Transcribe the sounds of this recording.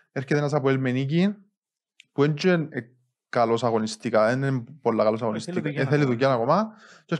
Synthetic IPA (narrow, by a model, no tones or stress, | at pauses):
eskeðenas̬apoelmenik̬in | pwent͡ʃuene | kalosaɣonist̪ikaenempoɾlakalos̬aɣonist̪ikaeθeliðukjanakoma | t͡ʃe